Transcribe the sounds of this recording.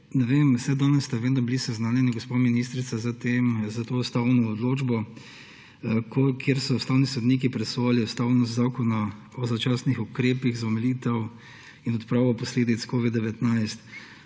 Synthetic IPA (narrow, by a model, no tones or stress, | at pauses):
nɛʋeːmsɛd̪ɔnɛsːt̪aʋeːd̪nɔbilisɛznaːnjɛnaɡospaminist̪ɾit̪sazat̪emzat̪oːʊst̪aːwnɔɔd̪loːd͡ʒbɔ | kokʰjeɾsɔʊst̪aːwnisɔd̪niːk̬ipɾɛsoaliɔst̪awnɔzzaːkɔna | ɔzat͡ʃaːsnixukɾeːpiɣzaɔmɛliːt̪ɛw | inɔt̪pɾaːʋɔpɔsleːd̪it̪skoʋid̪d̪ɛʋɛt̪najst̪